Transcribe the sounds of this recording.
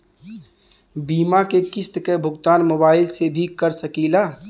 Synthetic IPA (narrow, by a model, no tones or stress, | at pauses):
biːmakekɪst̪kebʱʊɡt̪aːnmoːbaːɪlsebʱikəɾsɐkiːlaː